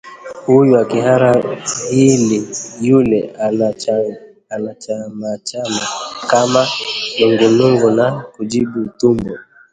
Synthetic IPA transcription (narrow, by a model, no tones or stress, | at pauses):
hujuakiɦaɾahilijulɛa | anat͡ʃamat͡ʃamakamanɔŋɡɛnuŋɡɔnakud͡ʒiɓutumbɔ